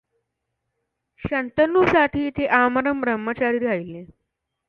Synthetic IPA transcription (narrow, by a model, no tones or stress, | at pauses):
ɕənt̪ənːusaʈiːt̪ʰeʔaməɾəmbɾəmːət͡ɕaɾiːɾaɭilːe